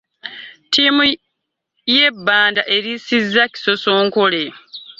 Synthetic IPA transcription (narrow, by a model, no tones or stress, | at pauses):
tʰimu | je̞bːaːndaʔe̞ɾisizːaci̥so̞so̞ːŋkole̞